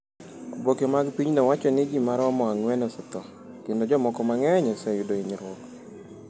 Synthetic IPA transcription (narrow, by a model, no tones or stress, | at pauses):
bokemaɡpiɲnɔwat͡ʃɔnɪd͡ʒimaɾɔmɔaŋwɛnɔsɔt̪ɔ | kendod͡ʒɔmɔkɔmaŋɛɲɔsɛjʊdoiɲiɾɔk